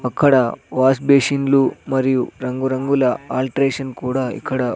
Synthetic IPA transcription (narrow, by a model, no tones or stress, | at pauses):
ɐkʰːɐɽɐʋaːsbeːʃinlumɐɾijuɾɐŋɡuɾɐŋɡulɐaːlʈɾeːʂɐnkuːɽɐḭkʰːɐɽɐ